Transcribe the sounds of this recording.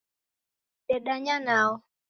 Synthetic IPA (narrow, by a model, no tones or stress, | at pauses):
ɗɛɗaɲanaɔ